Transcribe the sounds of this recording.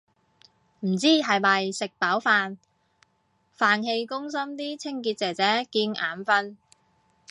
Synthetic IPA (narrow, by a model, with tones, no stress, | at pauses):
m̩˨˩t͡siː˥ɦɐ˨jmɐ˨jsɪ˨k̚paː˨˥wfaː˧n | faː˨nhe˧jkʊ˥ŋsɐ˥mt̪iː˥t͡sʰɪ˥ŋkiː˧t̚t͡sɛː˨t͡sɛː˨˥kiː˧nʔa̰ː˨˥nfɐ˥n